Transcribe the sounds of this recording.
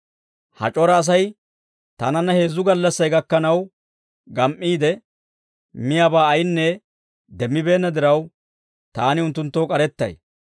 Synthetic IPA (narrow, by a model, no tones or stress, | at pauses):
hɐ̰t͡ʃʼɔɾɐːs̬ɐj | t̪ɐ̰nɐnːɐhe̞ːzːʊɡɐlːɐsːɐjɡɐkːɐnɐw | ɡɐmʔːiːd̪ɛ | mɪjaːbaːɐjnːɛ | d̪ɛmːɪbe̞ːnːɐd̪ɪɾɐw | t̪aːnɪʊnt̪ːʊnt̪ːoːkʼɐɾɛt̪ːɐ̰j